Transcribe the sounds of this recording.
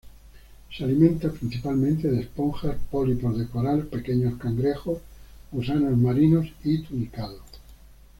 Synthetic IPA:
sealimẽnt̪apɾin̟θipalmẽnt̪eðespoŋxaspolipoɾðekoɾalpekeɲoskaŋɡɾexosmusanozmaɾinosit̪unikaðo

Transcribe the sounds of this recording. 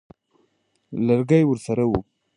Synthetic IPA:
laɾɡajwʊɾsaɾawu

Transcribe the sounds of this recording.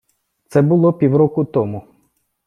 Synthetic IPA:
t̪sɛbʊlˠɔpʲiwɾɔkʊt̪ɔmʊ

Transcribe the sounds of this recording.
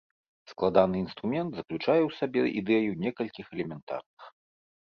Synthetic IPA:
sklˠad̪anɨin̪st̪ɾumʲɛnd̪zɐklʲut͡ʂajɛwsabʲɛ̰ʔḭd̪ɛjunʲɛkɐlʲkʲixɛlʲɛmʲɛnt̪a̰rnɨx

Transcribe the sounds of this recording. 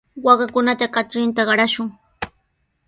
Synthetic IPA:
wɑɢɑkʊnat̪akaʈ͡ʂɾɪnt̪aɢɑɾaʃʊŋ

